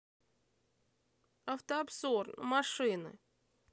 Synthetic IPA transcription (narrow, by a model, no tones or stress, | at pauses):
ɐft̪əɐbzornmɐʂɨnɨ̰